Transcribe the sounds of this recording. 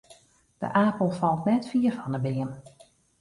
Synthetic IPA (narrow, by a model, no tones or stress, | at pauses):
d̥ə̰ʔaːpəl̩ˠfɑlˠtnɛtfiərfɑnəbɪən